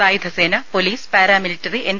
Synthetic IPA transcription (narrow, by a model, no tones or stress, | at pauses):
aːjid̪ʱɐseːnɐpoliːspaːɾaːmiliʈːɐriʔen